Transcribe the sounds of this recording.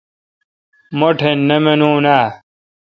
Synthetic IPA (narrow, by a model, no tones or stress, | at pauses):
moʈʰenːemenũːnaː